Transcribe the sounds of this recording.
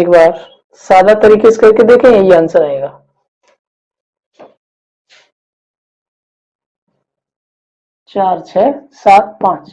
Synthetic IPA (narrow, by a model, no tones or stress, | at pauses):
eːkbaːɾ | saːd̪at̪ɐɾiːkese̥kɐɾked̪eːkʰẽjaːnsɐɾaɦeːɡaː | t͡ʃaːɾt͡ʃʰɛːsaːt̪̚pãːt͡ʃ